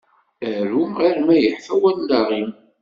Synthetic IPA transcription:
æɾuʁiɾmæjəħfæwænːaʁim

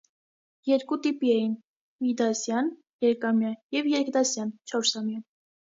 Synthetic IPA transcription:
jɛɾkut̪ipiɛjin | mid̪ɑsjɑn | jɛɾɛkʰɑmjɑjɛvjɛɾkʰd̪ɑsjɑnt͡ʃʰɔɾsɑmjɑ

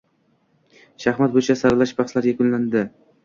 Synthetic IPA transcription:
ʃaχmat̪̚bot͡ʃʰasaɾlaʃbaχslaɾjakʲʊnland̪ɪ

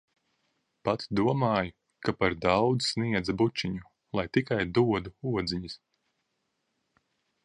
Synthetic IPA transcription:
pat̪d̪uɔmaːju | kapaɾd̪awd̪zsniɛd̪zabut͡ʃʲːiɲu | lˠajt̪ikajd̪uɔd̪uuɔd̪zʲiɲis

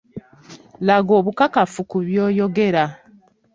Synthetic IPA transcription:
laɡoːβukakafukuβjoːjo̞ɡe̞ɾa

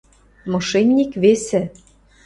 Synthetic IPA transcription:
mɤʃenʲːikβesɘ̆

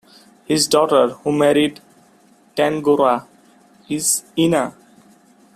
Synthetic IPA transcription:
hizɖɔːʈəɾhumɛɾiɖ | ʈæ̃nɡoɾa | ɪzina

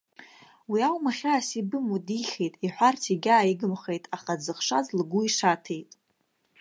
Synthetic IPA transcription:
wiawmaχʲaːsibɨmudiχʲejtʼiħʷᶣartʰiɡʲaːiɡɨmχe̞jtʼaχad͡zɨχʂazlɡuiʂatʰe̞jtʼ

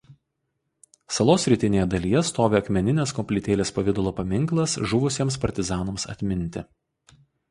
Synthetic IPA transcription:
sɐlˠoːsʲɾʲɪt̪ʲɪnʲeːjɛd̪ɐlʲijɛst̪oːʋʲeːɐkmʲɛnʲɪnʲeːskɔmʲpʲlʲɪt̪ʲeːlʲeːspɐʋʲɪd̪ʊlˠoːpɐmʲɪŋklˠɐsʒʊʋʊsʲiɛmspɐɾʲt̪ʲɪzɑːnoːmsɐ̰t̪ʲmʲɪnʲˑt̪ʲɪ

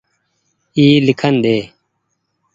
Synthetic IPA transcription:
iːlikʰɐnɗ̪eː

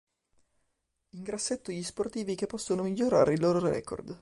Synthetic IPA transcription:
iŋɡɾasːet̪ːoʎisport̪iːvikepːɔsːonomiʎːoɾa̰ːɾeilːoːɾoɾɛ̰kʰo̰rd̪

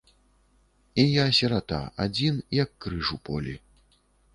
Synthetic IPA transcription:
ijasʲɐɾat̪a̰ad͡zʲinjɐkːɾɨʂupɔ̰lʲḭ

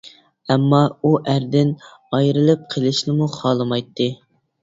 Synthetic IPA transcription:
ɛmːɑuʔæɾd̪ɪn | ɑjɾɨlˠɨp̚qʰəlˠɨʃnɪmuχɑːlˠɨmɑjt̪ʰːɨ

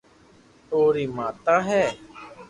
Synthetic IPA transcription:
oːɾiːmaːt̪aːɦɛː

